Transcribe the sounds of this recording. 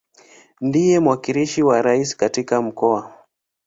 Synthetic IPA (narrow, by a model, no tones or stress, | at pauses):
ndijɛmwakiliʃiwaɾaisi̥katikam̩kɔa